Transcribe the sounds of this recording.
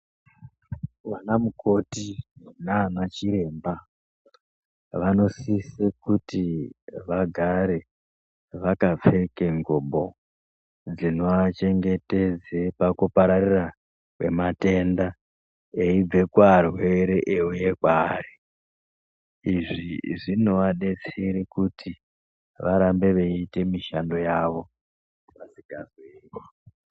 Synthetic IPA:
wanamuko̞tinanat͡ʃiɾe̞mba | ʋano̞sisekutiʋaɡʱaɾe̞ | ʋakavekeŋɡoɓo̞ | d͡zinoat͡ʃe̞ŋɡe̞te̞d͡zepakupaɾarira | kwe̞̰mate̞nda | eib͡ve̞kwarwe̞ɾeʔeuje̞kwaːri | iʐiʐinoaɗe̞t͡siɾikutʰi | ʋaɾambe̞ʋe̞ite̞miʃando̞jaʋo̞ | pasiɡʱarwewo

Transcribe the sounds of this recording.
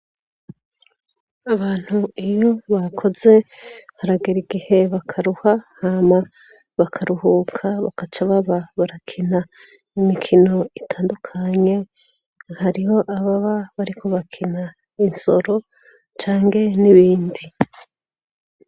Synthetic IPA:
aβaːn̥huijo̞βakʰo̞ze̞haɾaɡiɾiɡihe̞βakʰaɾuhahaːma | βakʰaɾuhuːkʰaβakat͡ʃaβaβaβaɾakʰina | imikʰino̞itʰaːndukʰaɲe̞ | haɾiho̞ʔaβaβaβaɾikʰo̞βakʰina | inso̞̰ɾo̞ | t͡ʃaːŋɡe̞niβiːndi

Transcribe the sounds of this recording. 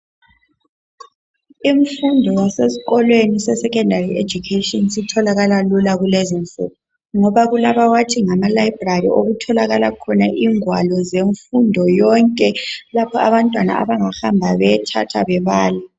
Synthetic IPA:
im̩fundʱɔwasesi̥ɣɔlwenisɛsɛkʰʼɛndʱariʔed͡ʒʱukʰetʼɔnsitʰɔlaɣalalulaɣulezinfʼṵːp̚ʰu | ŋɔβaɣulaβawatʰiŋamalaibrarḭʔoɣutʰɔlaɣalakʰɔnaʔiŋwalɔzeɱfundʱɔjɔŋkʼɛlapʰɔaβantʼwana̰ʔa̰βaŋahambʱaβɛtʰa̰tʰa̰βɛβaːla

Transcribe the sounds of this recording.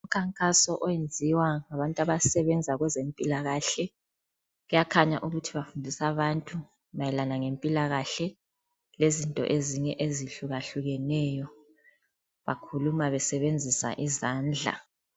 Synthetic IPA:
uum̩kʰaŋkʼasɔʔɔjend͡zʱiwaŋaβantʼaβasɛβɛnd͡zʱaɣwɛzempʼilaɣaɬɛ | ɣujakʰaɲaʔuɣutʰiβafundʱisaβantʼu | majɛlanaŋempʼilaɣaɬɛ | lezintʼɔ̰ʔeziɲɛʔeziɬuɣaɬuɣɛnɛjɔ | βa̰kʰulumaβɛsɛβend͡zʱisa̰ʔizaːnd͡ɮʱa̰

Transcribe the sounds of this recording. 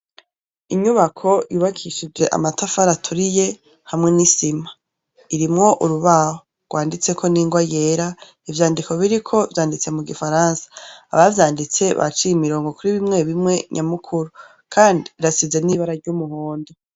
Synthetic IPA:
iɲuβakʰo̞juːβakʰiʃid͡ʒwe̞ʔa̰matafaɾatʰuɾije̞ | hamŋe̞nisima | iɾimŋo̞ʔuɾuβaho | ɡ̥waːndit͡se̞kʰo̞niːŋɡwajeːɾa | ivjaːndiko̞βiɾikʰo̞vjaːndit͡se̞muɡifaɾaːnsḁ̰ːβavjaːndit͡se̞βa̰t͡ʃiimiɾo̞ːŋɡo̞kuɾiβimŋe̞βimŋe̞ɲʔamukʰuɾu | kʰaːndiːɾasize̞niβaɾaɾɟumuhoːndo

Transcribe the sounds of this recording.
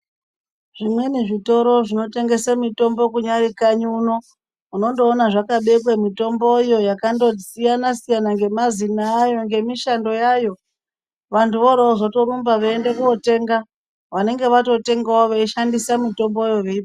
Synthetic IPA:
ʐimwe̞neʐito̞ɾo̞ʐino̞te̞ŋɡe̞samito̞mbo̞kuɲaɾikaɲuno̞ | uno̞ndo̞ːnaʐakaɓe̞kwemito̞mbojo̞jakando̞sijanasijanaŋɡe̞mazinaːjo̞ŋɡe̞miʃando̞jajo̞ | ʋantuʋoɾooʐoto̞ɾumbaʋaendekuote̞ːŋɡa | ʋane̞ŋɡe̞ʋato̞te̞ŋɡawoʋaiʃandisamito̞mbojo̞ʋeip

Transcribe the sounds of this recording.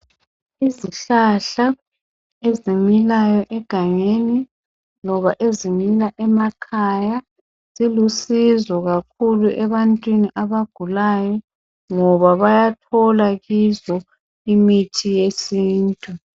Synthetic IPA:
iziɬaɬa | ezimilajɔʔɛɡ̥ʱaŋeni | lɔβaʔezimilaʔɛmakʰaja | z̥ilusizɔɣakʰuluʔɛβantʼwiniʔaβaɡ̥ʱulajɔ | ŋɔβaβajatʰɔlaɣizɔ | imitʰijesiːntʼu

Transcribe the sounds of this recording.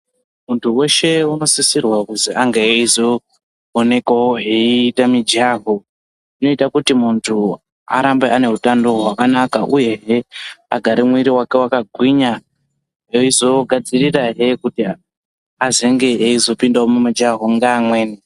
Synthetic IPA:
muntʰuwe̞ʃe̞uno̞sisirwakuziaŋɡeizo | one̞kaoɦeiːtamid͡ʒaːɦo | ino̞itakutimuntʰu | a̰ɾambeane̞ɦutando̞ɦwakanakaʔuje̞ɦea̰ɡʱaɾimwiɾiwake̞wakaɡʱwiɲa | ɦeizo̞ɡʱad͡ziriraɦe̞kuti | azeŋɡeeizo̞pindawomumad͡ʒaɦoŋɡaːmweːni

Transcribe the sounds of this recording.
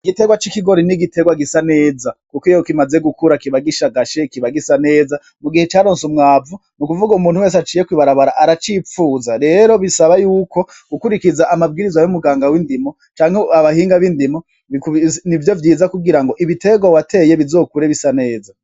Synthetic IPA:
iɡite̞ɡwat͡ʃikiɡo̞ɾiniɡite̞ɡwaɡisane̞ːzakukojokimaze̞ɡukuɾakiβaɡiʃaɡaʃekiβaɡisane̞ːza | muɡihet͡ʃaːɾoːnsumŋaːvu | nukuvuɡaumuːn̥huwe̞ːsat͡ʃiːjekwiβaɾaβaɾaʔaɾat͡ʃifuːzaɾe̞ːɾo̞βisaβajuːko̞ | ɡ̥ukuɾikizaʔamabɡiɾizwajomuɡaːŋɡawindimo̞ | t͡ʃaːŋ̥heaβahiːŋɡaβindimo̞ | iknivjo̞vjiːzakuɡiɾaŋɡo̞ʔiβite̞ɡwawatʰe̞je̞βizo̞ːkuɾeβisane̞ːza

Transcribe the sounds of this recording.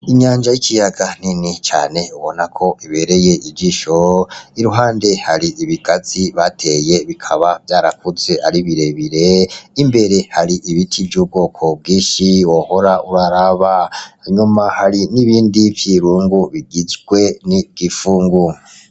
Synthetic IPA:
iɲaːɲʒajikʰijaɡaninit͡ʃa̰ːne̞uβo̞nakʰo̞ʔiβe̞ɾe̞je̞ʔid͡ʒiʃoiɾuɦaːnde̞haɾiʔiβiɡ̥aziβatʰe̞je̞βikʰaβavjaːɾakuze̞ʔaɾiβiɾe̞βiɾe̞imbe̞ɾe̞haɾiʔiβitʰivjuːb̚ɡoːkʰo̞b̚ɡiːʃiwoho̞ɾauɾaɾaβaɲumahaɾiniβiːndivjiɾuːŋɡuβiɡizɡwe̞niɡ̥ifuːŋɡu

